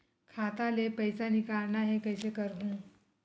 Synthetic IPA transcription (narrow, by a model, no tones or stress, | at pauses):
kʰat̪alepəjsanikaɾɳaɦekəjsekəɾɦũː